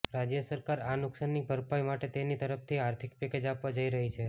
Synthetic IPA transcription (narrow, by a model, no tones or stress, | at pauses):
ɾad͡ʒjəsəɾkaɾanʊksənːibʱəɾpajmaʈet̪enit̪əɾəpt̪ʰiaɾt̪ʰikpeked͡ʒapʋad͡ʒəiɾəɦit͡ʃʰe